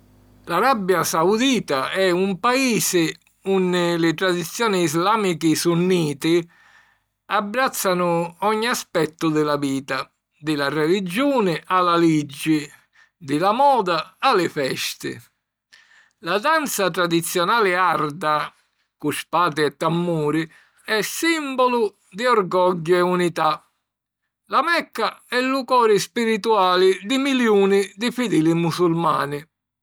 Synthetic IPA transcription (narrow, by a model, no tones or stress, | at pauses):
laɾabːjasaud̪iːt̪aɛumpaiːsɪ | unːɪlɪt̪ɾad̪it̪sːjɔːnɪːzlaːmikɪsunːiːt̪ɪ | abːɾat̪sːanʊɔɲːiaspɛt̪ːʊd̪ɪlaviːt̪a | d̪ɪlarɛlid͡ʒuːnɪʔalalid͡ʒːɪ | d̪ɪlamɔːd̪aalɪfɛst̪ɪ̰ | lad̪ant̪sat̪ɾad̪it̪sːjɔnaːlɪard̪a | kuspaːt̪ɪɛt̪ːamːuːɾɪ | ɛsːimbɔlʊ | d̪ɪɔrɡɔɟːʊɛunit̪a | lamɛkːaɛlːukɔːɾɪspiɾit̪uaːlɪd̪ɪmiljuːnɪd̪ɪfid̪ɛːlimusulma̰ːnɪ